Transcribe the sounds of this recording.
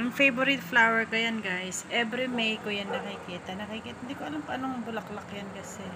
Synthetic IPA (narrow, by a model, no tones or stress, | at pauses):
nɐŋfejboɾid̪flawɛɹkɐjɐnɡajsʔɛbɾimejkʊjɐnːɐkɐkɪkiːt̪ɐnɐkɐkɪkiːt̪ɪnd̪iːkoʔɐlamkɐʔɐnoŋbʊlɐklɐkjɐnkɐsɛ